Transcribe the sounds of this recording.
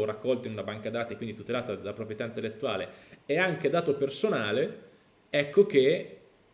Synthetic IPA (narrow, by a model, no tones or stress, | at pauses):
rakːɔlt̪oinunabaŋkad̪aːt̪aekwind̪it̪ut̪elaːt̪oalpɾopɾjet̪aint̪elːet̪ːuaːleeaŋk̟ed̪aːt̪opersonaːle | ɛkːok̟e